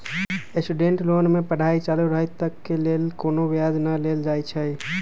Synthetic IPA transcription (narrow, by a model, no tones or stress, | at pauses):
esʈuɖẽːɳʈloːnmẽpəɽ̤aːit͡ʃaːluɾəɦit̪əkːeleːlkoːnoʋjaːd͡ʒnəleːld͡ʒaːit͡ʃʰɛi